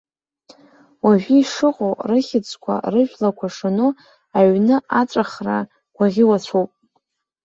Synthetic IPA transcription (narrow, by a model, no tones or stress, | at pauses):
waʒᶣiːʂɨqʼowrɨχʲɪt͡sʷʼkʷʰa̰rɨʒᶣlakʷʰaʂɨno | aɥnɨʔat͡sʷʼaχra | ɡʷaʁʲɪwat͡ɕʷʰowpʼ